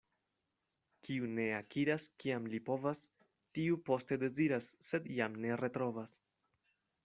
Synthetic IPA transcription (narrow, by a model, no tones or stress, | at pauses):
kiune̞akiɾaskiamlipo̞vas | tiupo̞ste̞de̞ziɾasːe̞djamne̞ɾe̞tɾo̞vas